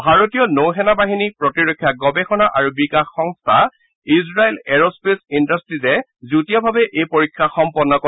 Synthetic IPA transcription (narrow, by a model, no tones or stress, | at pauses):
bʱaɹotijɔnowɦɛnabaɦinipɹɔtiɹokʰːjaɡɔbɛxɔnaʔaɹubikaxːɔŋst̪ʰa | izɹaelɛɹospesindastɹizɛ | zutijɔbʱabɛʔejpoɹikʰːaxɔmpɔnːɔkɔ